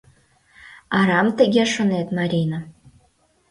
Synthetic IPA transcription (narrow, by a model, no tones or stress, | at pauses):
ɑɾɑmt̪ɘ̆ɡʲeʂŏnet̪mɑɾʲina